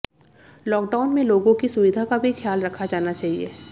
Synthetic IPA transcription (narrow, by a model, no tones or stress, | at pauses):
lɔːk̚ɖaːʊnmẽloːɡõkisʊʋɪd̪ʱakabʱixjaːlɾɐkʰad͡ʒaːnat͡ʃaːɦiḛː